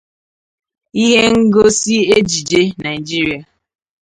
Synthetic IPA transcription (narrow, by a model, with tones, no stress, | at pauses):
i˦ɦe˦ŋ̩˦ɡo˦si˦e˦d͡ʒi˨d͡ʒe˦na˨ɪ˨d͡ʒi˦ɾi˦a˨